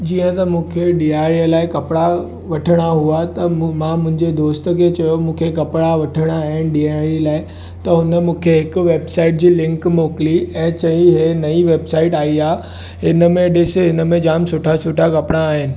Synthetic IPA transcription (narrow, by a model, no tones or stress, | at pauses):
d͡ʑiːə̃t̪ɐmũːkʰeɖiːaːɾijəlaːɪkɐpɽa | ʋɐʈʰəɽ̃aɦuat̪ɐmãmʊ̃ɦɪ̃ɲd͡ʑed̪oːst̪əkʰeːt͡ɕɐjomũːkʰekɐpɽ̃aʋɐʈʰəɽ̃aːɦɪnɪ̆ɖiːaːɾilaːɪ | t̪ɐɦʊnəmũːkʰeɦɪkʋeːbsaːɪʈ̚d͡ʑiːlɪ̃ŋkmoːkɪliɛ̃ːt͡ɕɐ̃ĩɦenɐiʋeːbsaːɪʈaːiaː | ɦɪnə̆mẽɗɪseɦɪnəmẽd͡ʑaːmsʊʈʰasʊʈʰakɐpɽ̃aːɦɪnɪ̆